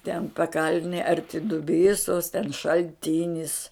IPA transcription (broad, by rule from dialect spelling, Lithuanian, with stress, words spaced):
tʲɛn pɐˈkɐlʲnʲɪj ɐrʲˈtʲɪ dʊˈbʲiːsoːs tʲɛn ʃɐlʲˈtʲɪnʲɪs